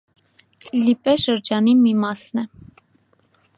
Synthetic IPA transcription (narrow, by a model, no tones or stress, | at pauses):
lipɛʃəɾd͡ʒɑnimimɑsnɛ